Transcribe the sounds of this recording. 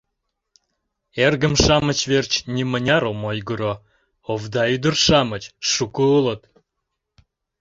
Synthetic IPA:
erɣəmʃɑmət͡ɕvert͡ɕnʲimənʲɑɾomojɡəɾo | ovd̪ɑyd̪ərʃɑmət͡ɕʃukəələt̪

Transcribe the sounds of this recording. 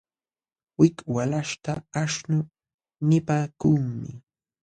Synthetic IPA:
wɪkwalaʃt̪aːʃnʊ | nɪpaːkuŋmɪ̰

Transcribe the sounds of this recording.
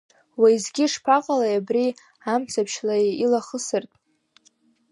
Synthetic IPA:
wajzɡʲɪʂpʰaqʼalajabri | amt͡sʰapʰʃlailaχəsɨrtʼ

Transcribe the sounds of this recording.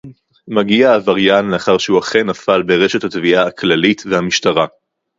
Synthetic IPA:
maɡiaːvaʁjanleaχaʁʃeuaχenafalbe̞ʁe̞ʃe̞thatviʔaaklalitvehamiʃtaʁa

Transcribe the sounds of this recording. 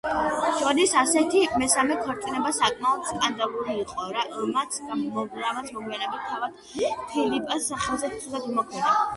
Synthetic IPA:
ʃɔɾisasɛt̪ʰimɛsamɛkʰɔɾt̪ʼinɛbasakʼmaɔt̪skʼand̪alˠuɾiːqʼɔɾaɔmat̪sʰɔɾamat̪sʰmɔɡianɛbit̪ʰːavad̪̥ | pʰilipʼsaχɛlˠzɛt̪t̪ʰizad̪umɔkʰmɛd̪a

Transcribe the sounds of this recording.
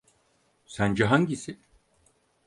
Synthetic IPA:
sænd͡ʒɛɦaɲɟisi

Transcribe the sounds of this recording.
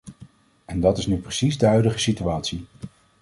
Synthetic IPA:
ɛndɑtɪsnyprəsizdəɦœɥdəχəsityaːtsi

